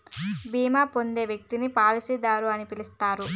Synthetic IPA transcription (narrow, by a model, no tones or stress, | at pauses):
biːmaːpo̞nd̪e̞ːʋjek̚t̪inipaːlisid̪aːɾuɐnipilist̪aːɾu